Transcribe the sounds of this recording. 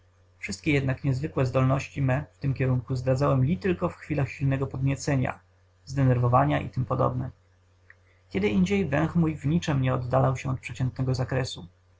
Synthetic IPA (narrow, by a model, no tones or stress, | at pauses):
fʂɘst̪̚kʲɛjɛd̪nakɲɛzvɘkwɛzd̪ɔlnɔɕt͡ɕimɛft̪ɘmkʲɛɾuŋkuzd̪ɾad̪zawɛmlʲit̪ɘlkɔfxfʲilaxɕilnɛɡɔpɔd̪ɲɛt̪sɛɲa̰ | zd̪ɛnɛɾvɔvaɲaʔḭt̪ɘmpɔd̪ɔ̰bnɛ | kʲɛd̪ɘʔiɲd͡ʑejvɛ̃w̃xmujvɲit͡ʂɛmɲɛɔd̪ːalawɕɛɔt̪pʂɛt͡ɕɛnt̪nɛɡɔzakɾɛsu